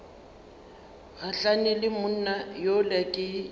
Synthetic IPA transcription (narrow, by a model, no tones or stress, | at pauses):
ɣaɬanɪlɪmʊn̩najolakʼɪ